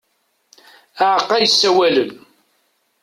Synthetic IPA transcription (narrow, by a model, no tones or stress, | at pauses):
aʕqːæjəsːæwælən